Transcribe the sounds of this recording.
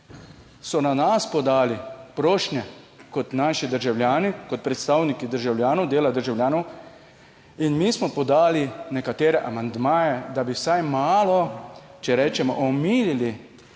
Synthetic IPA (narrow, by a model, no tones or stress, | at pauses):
sɔnanaspɔd̪aːlipɾoːʃnjɛ | kɔt̪naːʃid̪əɾʒawljaːnikɔt̪̚pɾɛt̪st̪awnikid̪əɾʒawljaːnɔwd̪eːlad̪əɾʒawljaːnɔw | inmiːsmɔpɔd̪aːlinɛkat̪eːɾɛʔamand̪maːjɛd̪abiwsajmaːlɔt͡ʃɛɾɛːt͡ʃɛmɔʔɔmiːlili